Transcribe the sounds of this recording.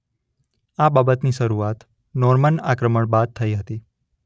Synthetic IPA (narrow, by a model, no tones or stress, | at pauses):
ababət̪niʃəɾuat̪ | nɔɾmənakɾəməɳbad̪̚t̪ʰəiɦət̪i